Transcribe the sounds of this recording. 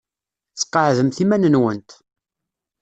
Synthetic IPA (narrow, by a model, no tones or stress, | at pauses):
θə̥qːəʕðəmθimænənwənt̪